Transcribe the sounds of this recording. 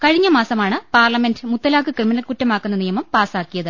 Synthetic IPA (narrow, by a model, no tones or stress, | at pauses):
kɐɻiɲːɐmaːsɐmaːɳɨpaːrlɐmendɨmut̪ːɐlaːkːɨkrɨminɐlkutːɐmaːkːunːɐnijɐmɐmpaːsaːkːijɐðɨ